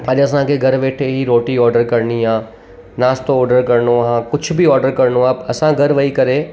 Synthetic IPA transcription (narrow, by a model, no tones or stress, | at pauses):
aɗɐs̬ãkʰeɡʱɐɾʋeːʈʰeɦiɾoːʈiɔːɾɖəɾkɐɾniãː | naːst̪oɔːɾɖəɾkɐɾnoɦãːkʊd͡ʑʱʊ̆biɔːɾɖəɾkɐɾnoaːɐsãɡʱɐɾʋɐikɐɾeː